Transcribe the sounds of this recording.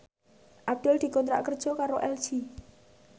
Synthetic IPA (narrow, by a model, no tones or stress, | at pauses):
ʔab̚d̪̥ɛld̪̥i̤kɔnt̪ɾa̰ʔkərd̥ʒ̥ɔkaɾoʔɛl̥d͡ʒi